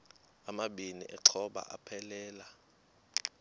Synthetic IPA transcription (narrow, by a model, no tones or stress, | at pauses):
amaɓinḭʔɛǀʰɔɓa̰ʔa̰pʰɛlɛːla